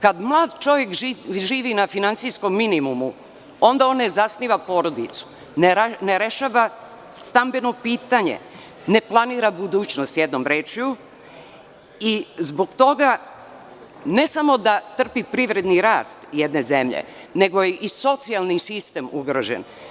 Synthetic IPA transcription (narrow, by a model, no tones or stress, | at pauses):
kad̪mlˠaːd̪t͡ʃo̞ʋje̞kʒiːʋinafinant̪sijsko̞mːinimumu | o̞nd̪ao̞ːnːe̞zasniːʋapo̞ːɾo̞d̪it̪su̥ | nneɾeʃaːʋa | st̪ambe̞no̞piːt̪aɲḛ | ne̞plˠaniːɾabud̪uːt͡ɕnost̪jed̪no̞mɾeːt͡ʃiu | izbo̞ɡt̪o̞ɡa | ne̞samo̞d̪at̪r̩pipɾiʋɾe̞d̪niɾaːst̪jed̪ne̞zemʎḛ | ne̞ɡo̞jeʔiso̞t̪sialnisist̪e̞muɡɾo̰ʒḛn